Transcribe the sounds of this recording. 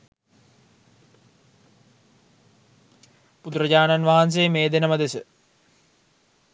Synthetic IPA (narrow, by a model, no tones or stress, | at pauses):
pud̪uɾəd͡ʑaːnanʋaɦans̬ejːmeːd̪enəməd̪esə